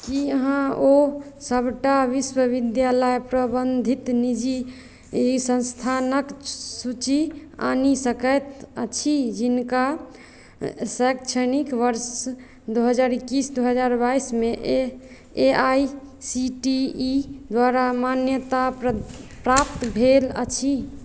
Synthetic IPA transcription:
kiəɦãosəbʱʈaʋiswəʋid̪jaləjpɾəbənd̪ʱit̪nid͡ʒi | sə̃nst̪ʰanəksut͡ʃia̰nisəkəjt̪ət͡ʃʰid͡ʒinka | səjkt͡ʃʰənikʋəɾs | d̪uɦəd͡ʒaɾikːisd̪uɦəd͡ʒaɾbaismeʔ | eajsiʈid̪waɾamanjət̪a | pɾap̚t̪bʱelə̰t͡ʃʰi

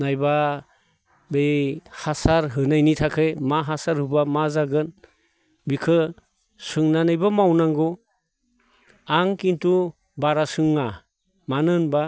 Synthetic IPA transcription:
najba | behasaɾɦɯnajnitʰakʰejmaɦasaɾhɯbamazaɡɯn | bikʰɯ | sɯŋnanɯjbamawnaŋɡɔ | aŋkintu | baɾasɯŋːa | manɯnba

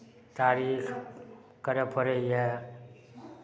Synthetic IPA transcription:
t̪aːɾiːx | kəɾəpʰəɾeiɛ

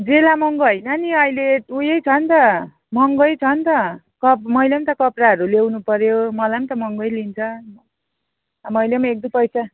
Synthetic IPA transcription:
d͡zelamʌŋɡoɦʌjnʌniʌjleujʌjt͡sʰʌnt̪ʌ | mʌŋɡʌjt͡sʰʌnt̪ʌ | kʌpmʌjlemt̪ʌkʌpraɦʌɾulewnupʌɾjomʌlajmt̪ʌmʌŋɡʌjlint͡sʰʌ | mʌjlemek̚d̪ipʌjsa

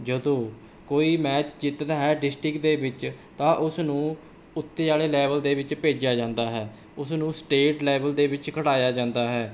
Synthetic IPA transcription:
d͡ʒəd̪õː | koːiːmɛːt͡ʃd͡ʒɪt̪d̪aːɦɛːɖɪsʈɾɪkd̪eːbɪt͡ʃ | t̪ãːʔʊsnũː | ʊt̪ːeːaːleːlɛːβəld̪eːbɪt͡ʃpeːd͡ʒjaːd͡ʒãːnd̪aːɦɛː | ʊsnũːsʈeːʈlɛːbəld̪eːbɪt͡ʃkʰəɽaːjaːd͡ʒãːnd̪aːɦɛː

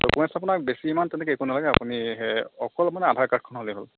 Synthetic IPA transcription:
okuɛsapunak̚besiːmantɛnɛkɛekunalaɡɛapuniɦeɔ̰kɔlmanɛadʱaɹkat̚ʰkʰɔnɦoliɦol

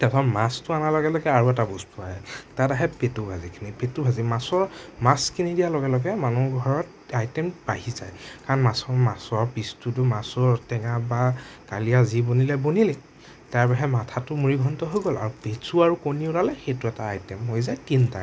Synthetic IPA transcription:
tɛtʰɔmastʊanalɔɡɛlɔɡɛaɹuɛtabustʰɔaɦɛtataɦɛpetubʱazikʰinipetubʱazimasɔɹmaskʰinidijalɔɡɛlɔɡɛmanuɡʱɔɹɔt̚ | ajtɛmbaɦizajkaɹnmasɔmasɔɹpistut̬ʊmasɔɹtɛŋabakalijazibonilɛbonilɛ | taɹpaɦɛmatʰatʊmuɹiɡʱɔntɔɦojɡɔla̰ɹupesuaɹukoniʊlalɛxejtʊɛtaːjtɛmɦojzajkinta̰

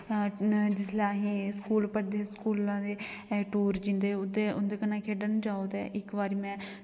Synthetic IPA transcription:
d͡ʒɪslaːɦĩːskuːlpəɽd̪eːskuːlãːd̪eːʈuːɾd͡ʒɪ̃nd̪eːʊd̪eːʊnd̪eːkənãːkʰeːɖənd͡ʒaːod̪ɛ̰ːʔɪkʋaːɾiːmɛ̃ː

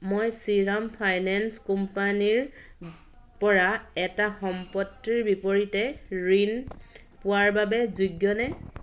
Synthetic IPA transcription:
mojsiɹampʰajnanskumpaniɹ | pɔɹaɛtaxɔmpɔtːiɹbipoɹitɛɹin | pʊwaɹbabɛzuɡjɔnɛ

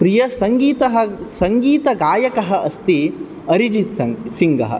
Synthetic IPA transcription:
pɾijɐsɐŋɡiːt̪ɐɦɐsɐŋɡiːt̪ɐɡaːjɐkɐɦɐʔɐst̪i | ɐɾid͡ʒit̪sɐŋsiŋɡɐɦɐ̰

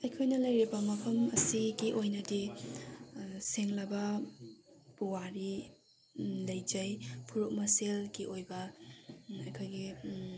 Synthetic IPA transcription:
ɐjkʰojnɐlɐjɾibɐmɐpʰɐmɐsiɡiʔojnɐdi | seŋlɐbɐ | puwaɾi | lɐjd͡ʒɐjpʰuɾuk̚mɐselɡiʔojbɐ | ɐjkʰojɡi

